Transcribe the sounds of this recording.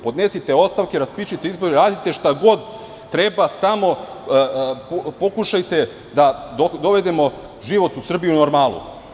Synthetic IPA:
po̞d̪ne̞sit̪e̞o̞st̪aʋkeɾaspit͡ʃut̪eizbo̞ɾeɾaːd̪it̪e̞ʃt̪aɡo̞d̪ː | ɾe̞basamo̞ | ppo̞kuʃajt̪e̞ | d̪ad̪od̪o̞ʋe̞d̪e̞mo̞ | ʒiʋo̞t̪usr̩bijunoɾmaːlˠṵ

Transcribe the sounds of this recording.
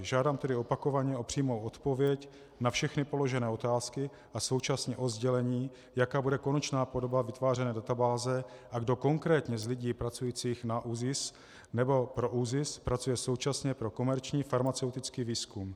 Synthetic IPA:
ʒaːdaːmt̪ɛdɪo̞pako̞vaɲɛʔo̞pr̥iːmo̞wʔo̞t̪po̞vjɛc | nafʃɛxnɪpo̞lo̞ʒɛnɛːo̞t̪aːskɪ | ʔaso̞wt͡ʃasɲɛʔo̞zɟɛlɛɲiː | jakaːbudɛko̞nɛt͡ʃnaːpo̞dobavɪt̪vaːr̝ɛnɛːdat̪abaːzɛʔaɡdo̞ko̞ŋkɾɛːt̪ɲɛzlɪɟiːpɾat͡sujiːt͡siːxnaʔuzɪs | nɛbo̞pɾoʔuzɪspɾat͡sujɛso̞wt͡ʃasɲɛpɾo̞ko̞mɛɾt͡ʃɲiːfaɾmat͡sɛwt̪ɪt͡skiːviːskum

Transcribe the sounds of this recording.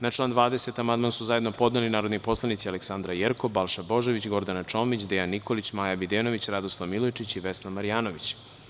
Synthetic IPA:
naʈ͡ʂlˠaːnd̪ʋaːd̪e̞se̞t̪amand̪mansuzaje̞d̪no̞po̞d̪nelinaːɾo̞d̪nipo̞slˠanit̪sialeksand̪ɾajeɾkobalˠʃabo̞ʒeʋit͡ɕɡo̞ɾd̪anat͡ʃoːmit͡ɕd̪ejanːikolit͡ɕmaːjabid̪eːno̞ʋit͡ɕɾad̪oslˠaʋmilojt͡ʃit͡ɕiʋesnamaɾijaːnoʋit͡ɕ

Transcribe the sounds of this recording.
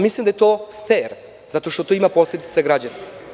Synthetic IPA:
mislˠimd̪ajet̪ofeɾ | z̥at̪o̞ʃt̪o̞t̪oimaposlʲed̪i̥t̪saɡɾad͡ʑana

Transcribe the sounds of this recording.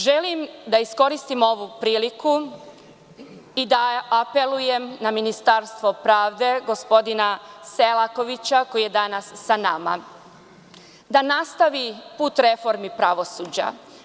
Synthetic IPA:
ʒelimd̪aisko̞ɾist̪imo̞ʋupɾiːliku | id̪aːpe̞lˠuje̞mnaminist̪aɾst̪ʋo̞pɾaːʋd̪e̞ɡo̞spo̞d̪inaselako̞ʋit͡ɕako̞jije̞d̪anasːanama̰ | d̪anast̪aʋipuːt̪ɾe̞fo̞ɾmipɾaʋo̞suːd͡ʑa̰

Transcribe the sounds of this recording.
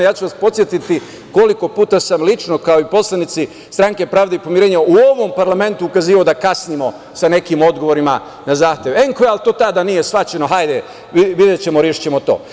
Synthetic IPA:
jaːt͡ɕuʋaspo̞t̪sje̞t̪it̪i | ko̞liko̞puːt̪asamlit͡ʃno̞kao̞ipo̞slˠanit̪si | st̪ɾaŋke̞pɾaːʋd̪eipo̞mjiɾeːɲauo̞ʋo̞mpaɾlame̞nt̪uːkaziːʋaod̪akasnimo̞ | sane̞kimo̞d̪ɡo̞ʋo̞ɾima | nazaːxt̪je̞ʋeŋkoealˠt̪o̞ːt̪ad̪anije̞sʋat͡ɕe̞no̞ɦajd̪e | iʋid̪jet͡ɕe̞moɾeʃi̥t͡ɕe̞mo̞t̪o̞̰ː

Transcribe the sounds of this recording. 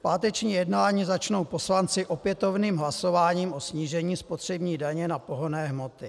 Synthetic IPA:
paːt̪ɛt͡ʃɲiːjɛdnaːɲiːzat͡ʃno̞wpo̞slant͡sɪʔopjɛt̪o̞vniːmɦlaso̞vaːɲiːmʔo̞sɲiːʒɛɲiːspot̪r̝̥ɛbɲiːdaɲɛnapo̞ɦonɛːɦmot̪ɪ

